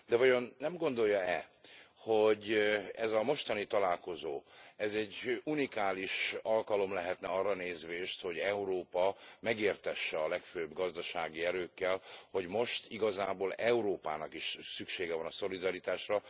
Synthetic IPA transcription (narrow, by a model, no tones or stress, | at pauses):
d̪ɛvɒjo̞nːɛmɡo̞nd̪o̞jːɒɛho̞ɟɛzɒmo̞ʃt̪ɒnit̪ɒlaːlko̞zoːɛzɛɟːunikaːliʃɒlkɒlo̞mlɛɦɛt̪nɛɒrːɒneːzʋeːʃt̪ho̞ɟɛuɾoːpɒmɛɡeːrt̪ɛʃːɛɒlɛkføːbɡɒzd̪ɒʃaːɡiɛɾøːkːɛlho̞ɟmo̞ʃt̪iɡɒzaːboːlɛuɾoːpa̰ːnɒkiʃsykʃeːɡɛvɒnɒso̞lid̪ɒɾit̪aːʃrɒ